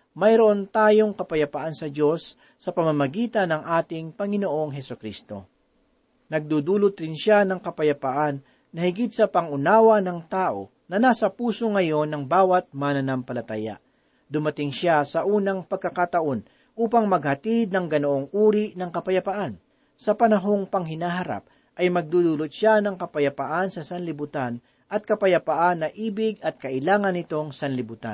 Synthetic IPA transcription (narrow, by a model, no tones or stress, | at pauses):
mɐjɾoʔo̞nt̪aːjo̞ŋkɐpɐjɐpaʔansɐd͡ʒo̞sː | ɐpɐmamɐɡiːt̪ɐnːɐŋʔaːt̪ɪŋpɐŋɪnoʔo̞ŋɦɛsʊkɾist̪o̞̰ | nɐɡ̚d̪ud̪uːlʊt̪ɾɪnʃanɐŋkɐpɐjɐpaʔanː | ɐhɪɡɪd̪̚sɐpɐŋʊnaːwɐnɐŋt̪aːʔo̞̰ | nɐnaːsɐpuːsoŋɐjo̞nɐŋbaːwɐt̪̚manɐnampɐlɐt̪aja̰ | d̪ʊmɐt̪ɪŋʃasɐʔuːnɐŋpɐɡ̚kɐkaːt̪ɐʔo̞n | ʔuːpɐŋmɐɡ̚hɐt̪ɪd̪̚nɐŋɡɐnoʔoŋʔuːɾinɐŋkɐpɐjɐpɐʔan | sɐpɐnɐɦo̞ŋpɐŋhɪnaːɦɐɾa̰p̚ | ʔɐjmɐɡ̚d̪ud̪ulot̪̚ʃanɐŋkɐpɐjɐpɐʔansɐsɐnlɪbʊt̪an | ʔɐt̪̚kɐpɐjɐpɐʔanːɐʔiːbɪɡɐt̪̚kɐʔɪlaːŋɐnːɪt̪o̞ŋsɐnlɪbʊt̪a̰n